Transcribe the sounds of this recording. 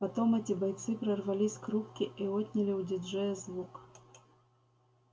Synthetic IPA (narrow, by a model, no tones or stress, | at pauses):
pat̪ɔmɛt͡sʲibajt̪sɨpɾɐrvalʲisʲkɾupkʲiʔiɔt̪ʲnʲɐlʲiwd͡zʲid͡ʐɛjɛzvuk